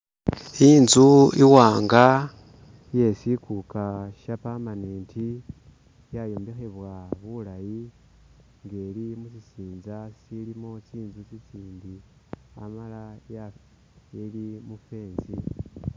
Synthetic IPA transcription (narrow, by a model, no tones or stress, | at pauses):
iːnzuiwaːŋɡa | je̞sikukaʃapamaneːntʰi | jajoːmbixeβwaβulaji | ŋɡe̞limusisiːnzasilimot͡ʃiːnzut͡ʃit͡siːndi | a̰malaja | elimufe̞ːnzi